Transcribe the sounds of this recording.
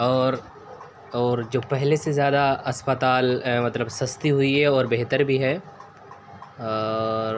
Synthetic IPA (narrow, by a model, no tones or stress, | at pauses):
ɔːɾ | ɔːɾd͡ʒoːpɛɦlesezjaːd̪aɐspət̪aːlmɐt̪ləbsɐst̪iɦʊiɦɛɔːɾbeɦt̪əɾbʱiɦɛː | ɔːɾ